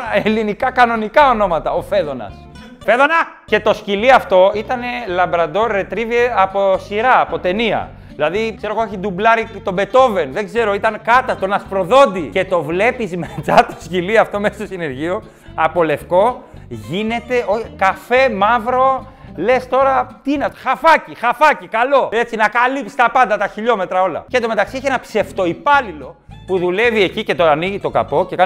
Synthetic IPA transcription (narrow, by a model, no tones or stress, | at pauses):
elinikɐkɐno̞nikɐo̞no̞mɐt̪ɐofe̞ðo̞nɐ̰s | fe̞ðonɐ | ce̞t̪o̞sciliɐft̪o̞it̪ɐne̞lɐmbɾɐd̪o̞ɾe̞t̪ɾiveɐpo̞siɾɐːpo̞t̪e̞niɐ̰ | ðilɐðikse̞ɾoɣooçid̪ublɐɾit̪o̞be̞t̪o̞ve̞nðe̞ɡze̞ɾo̞it̪ɐnkɐt̪ɐt̪o̞nɐspɾo̞ðo̞d̪ice̞t̪o̞vle̞pizmet͡sɐt̪o̥sciliɐft̪o̞messosine̞ɾʝio | ɐpo̞le̞fko̞ | ʝine̞t̪e̞oçikɐfe̞mɐvɾo̞ | le̞st̪o̞ɾɐt̪iinexɐfɐcixɐfɐcikɐlo̞et͡sinɐkɐlip̪i̥st̪ɐpɐnd̪ɐt̪ɐçiʎo̞me̞t̪ɾɐo̞lɐ̰cet̪ome̞t̪ɐksieçienɐpse̞ft̪o̞ipɐlilo̞ | puðule̞vie̞cice̞t̪o̞ɾɐniʝit̪o̞kɐ̰po̞cekɐ